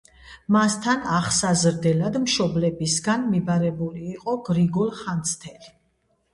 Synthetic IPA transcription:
mast̪ʰanaχsazɾd̪ɛlad̪mʃɔblɛbisɡanmibaɾɛbuliːqʼɔɡɾiɡɔlˠχant̪sʰt̪ʰɛli

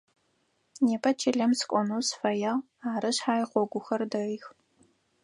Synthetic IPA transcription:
neːpʰɐt͡ʃʰɪɮɐmsɨ̥kʷʼɔnuwsfɐjɐʁ | aːɾɨɕħaːjχʷɔɡʷʊxɐrdɐʁiːx

